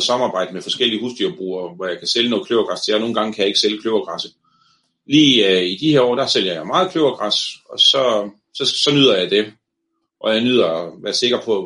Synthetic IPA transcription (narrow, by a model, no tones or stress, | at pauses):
sɑ̈mɑ̈ːb̥ɑ̈ɪ̰d̥əmefɒ̽sɡ̥el̰iəhusd̥yɐb̥ʁṵːɐʋɒjɑ̈ɪkʰæseljəno̽ːðˠkʰløʊɐɡ̥ʁɑst͡sʰe̝jano̝ːn̩ɡɑ̈ŋkʰæjɑ̈e̝ɡ̥seljəkʰløʊɐɡ̥ʁɑsə | liːid̥iheɐɒ̰ːd̥ɑ̈sel̰jɐjɑ̈ɪmɑ̈ːð̞̩ˠkʰløʊɐɡ̥ʁɑsɒ̽sɒ̽ | sɒ̽sɒ̽nyð̞̰ˠɐjɑ̈ɪd̥e | ʔɒ̽jɑ̈ɪnyð̞̰ˠɐʋæːɐse̝ɡ̥ɐpʰɒ̽